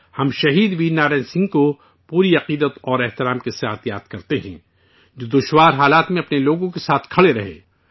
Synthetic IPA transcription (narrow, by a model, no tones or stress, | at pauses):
hɐmʃɐɦiːd̪ʋiːnaːɾɛ̃ːnsɪ̃ŋɡko | puːɾiɐqiːd̪ət̪ɔːɾɛɦt̪ɪɾaːmkesaːt̪ʰjaːt̪kɐɾt̪eɦɛ̰̃ː | d͡ʒoːd̪ʊʃwaːɾɦaːlaːt̪mẽɐpneloːɡõkesaːt̪ʰkʰɐɭeɾɐɦḛ̃ː